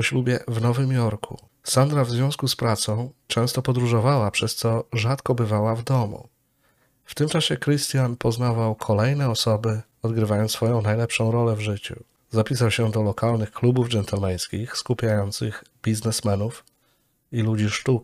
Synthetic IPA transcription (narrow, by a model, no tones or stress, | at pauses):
ɔɕlubʲjɛvnɔvɘmjɔɾkʰṵ | sand̪ɾavzvʲjɔ̃w̃skuspɾat̪sɔ̃w̃t͡ʂɛ̃w̃st̪ɔpɔd̪ɾuʐɔvawapʂɛst̪sɔʐat̪kɔbɘvawavd̪ɔmṵ | ft̪ɘmt͡ʂaɕɛkɾɘst̪janpɔznavawkʰɔlɛjnɛɔsɔbɘ | ɔd̪ɡɾɘvajɔnsfɔjɔ̃w̃najlɛpʂɔ̃w̃ɾɔlɛvʐɘt͡ɕṵ | zapʲis̬awɕɛd̪ɔlɔkalnɘxklubuvd͡ʒɛnt̪ɛlmɛj̃skʲixskupʲjajɔnt̪sɘxbʲiznɛsmɛnuf | ilud͡ʑiʂt̪uk